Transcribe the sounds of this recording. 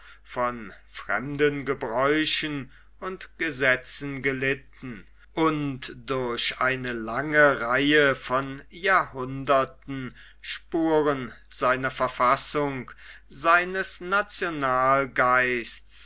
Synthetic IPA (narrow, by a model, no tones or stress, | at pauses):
fɔnfʁ̥ɛ̰mdənɡəbʁɔʏʃən | ʔʊntɡ̥əzɛt͡sn̩ɡəlɪtn̩ | ʔʊntd̥ʊɐɕʔaɪnəlaŋəʁaɪəfɔnjaːɐhʊndɐtn̩ | ʃpuːʁən | z̥aɪnɐfɛɐfasʊŋ | zaɪnəsnat͡sjonaːlɡaɪst͡s